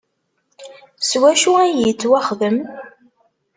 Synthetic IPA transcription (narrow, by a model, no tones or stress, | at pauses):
swæʃuænjət͡sːwæχðəm